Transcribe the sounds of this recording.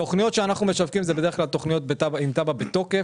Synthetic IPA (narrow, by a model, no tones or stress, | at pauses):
to̞χnijo̞t̪ʃeanaχnumeʃavkimzɛbede̞ʁklalt̪o̞χnijo̞t̪̚bet̪abaimt̪ababet̪o̞ke̞